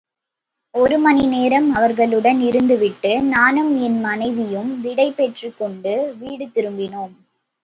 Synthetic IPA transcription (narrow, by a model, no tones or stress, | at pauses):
ɔɾɯmɐnineːɾɐmɐʋɐɾɣɐɭɯɽɐnɪɾɯnd̪ɯʋɪʈːɯnaːnɯmɛnmɐnɐɪʋɪjɯmʋɪɽɐɪpːɛʈrikːɔɳɖɯʋiːɽɯt̪ːɪɾɯmbɪnoːm